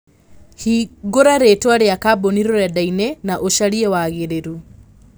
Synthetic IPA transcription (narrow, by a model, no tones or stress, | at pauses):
hiɡoɾaɾetwaɾeakaboniɾɔɾjadainɛnaʔoʃaɾiɛwaɣeɾeɾu